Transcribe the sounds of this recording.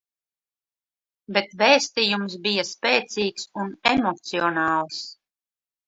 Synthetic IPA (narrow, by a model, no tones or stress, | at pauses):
bet̪vɛːsʲt̪ijums̬bijaspʲɛːt̪siːksunɛmɔt̪siɔnɑːlˠs